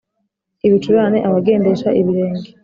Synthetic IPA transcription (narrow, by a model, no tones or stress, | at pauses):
iβit͡ʃuβaːnḛʔaβaɡe̞ːnde̞ʃaʔiβiɾe̞ːŋɡe